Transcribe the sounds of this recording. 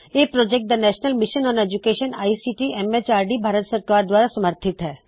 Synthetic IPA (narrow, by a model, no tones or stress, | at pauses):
eːpɾoːd͡ʒekʈ̚d̪ɐnɛːʃnəlmɪʃənɔ̃ːneːd͡ʒukeːʃəna̰ːisiːʈiɛmet͡ʃaːɾɖibʱaːɾət̪səɾkaːɾd̪waːɾasɐməɾt̪ʰɪt̪ɦɛː